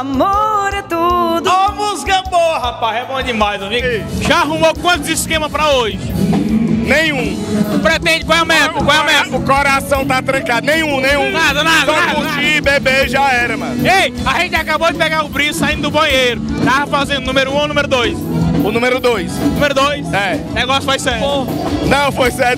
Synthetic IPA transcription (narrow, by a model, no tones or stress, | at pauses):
amɔɾɐt̪ud̪vɐmʊzɡɐ̃bohapazɛbõɐnimajzõviiʒaaɦumokwɐ̃t̪ʊzɪskẽmɐpɾɐoʒɪ | nẽj̃ũpɾet̪ẽnd͡ʒɪkõwɛʊmemkõɛwmeʊkoɾasɐ̃w̃t̪at̪ɾɐ̃kad̪ʊnẽj̃ũnẽj̃ũnad̪ɐnad̪õɐũibebeʒaɛɾɐmɐ̰̃nejaʒẽnt͡ʃɪakabowd͡ʒɪpɛɡaɾʊbɾiʊsaĩnd̪ʊd̪ʊbɐ̃j̃ejɾʊt̪afazẽnd̪ʊnũmeɾʊũawnũmeɾʊd̪ojsʊnũmeɾʊd̪ojsnũmeɾʊd̪ojsɛnɛɡɔsfojsɛɾonɐ̃w̃fojsɛɾt̪